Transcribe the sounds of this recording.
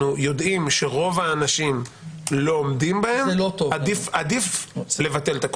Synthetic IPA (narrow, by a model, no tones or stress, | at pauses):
ujo̞dʔimʃe̞ʁo̞vaːnaʃim | loːmdimbahemot̪ovadifadifle̞vate̞lt̪ak